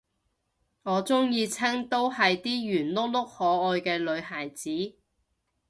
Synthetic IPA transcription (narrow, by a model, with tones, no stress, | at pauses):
ŋɔː˨˧t͡sʊ˥ŋjiː˧t͡sʰɐ˥ŋt̪o˥whɐ˨jt̪iː˥jyː˨˩nlʊ˥k̚lʊ˥k̚hɔː˨˥ɔː˨˧jkɛː˧lɵ˨˧ɥhaː˨˩jt͡siː˨˥